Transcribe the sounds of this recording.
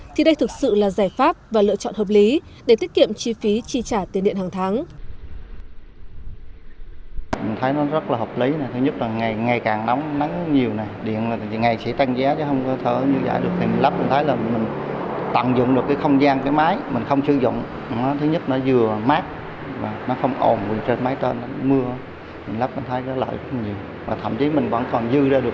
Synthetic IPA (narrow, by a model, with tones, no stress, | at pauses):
t̪ʰi˨˩ɗə˧jt̪ʰɨ˨˩k̚sɨ̰˧˨laː˨˩zaː˧˩jfaː˦˥p̚vaː˨˩lɨ̰˧ət͡ɕɔ̰˧˨nhəː˨˩p̚li˨˦ | ɗe˧˩t̪i˦˥kḭ˧˨əmt͡ɕi˧fi˨˦t͡ɕi˧˩t͡ɕaː˧˩t̪i˨˩nɗḭ˧˨nhaː˨˩ŋt̪ʰaː˨˦ŋ | mi˨˩nt̪ʰə˨˦jnɔ˨˦zə˦˥t̚laː˨˩həː˨˩p̚li˨˦na˨˩jt̪ʰɨ˨˦ɲə˦˥t̚laː˨˩ŋa˨˩jŋa˨˩jkaː˨˩ŋna˨˦wŋ͡mna˨˦ŋɲi˨˩əwna˨˩jɗḭ˧˨ənlaː˨˩˨ŋa˨˩jsḭ˧˥t̪a˧ŋzaː˨˦t͡ɕɔ˨˦hə˧wŋ͡mkɔ˨˦t̪ʰə̰ː˧˩˦ɲɨ˧zə̰ː˧˨jɗɨ˨˩ət̪ʰi˨˩mï˨˩n̟lə˦˥p̚t͡ɕːt̪ʰə˨˦jlaː˨˩mï˨˩ŋ̟t̪a̰˧˨ŋzʊ̰˧˨ŋ͡mɗɨ˨˩əkːaː˨˦jxə˧wŋ͡mzaː˧nkaː˨˦jmaː˨˦jmï˨˩ŋ̟xə˧wŋ͡mt͡ɕɨ˧zʊ̰˧˨wŋ͡m | nɔ˨˦t̪ʰɨ˨˦ɲə˦˥t̚nɔ˨˦zɨ˧əmaː˦˥t̚ | vaː˨˩nɔ˨˦xə˧wŋ͡mʔo˨˩nwḭ˨˩ənt͡ɕe˧nmaː˨˦jt̪e˧nːɔ˨˦˨mɨ˧ə˨˦ | mï˨˩ŋ̟la˦˥p̚kɔ˨˦t̪ʰə˨˦jkɔ˨˦lə̰ː˧˨jzə˦˥t̚a˨˩ɲi˨˩əw | vaː˨˩t̪ʰə̰˧˩mt͡ɕi˨˦mï˨˩ŋ̟və̰˧˥ŋkɔ˨˩nzɨ˧zaː˧ɗɨ˨˩ə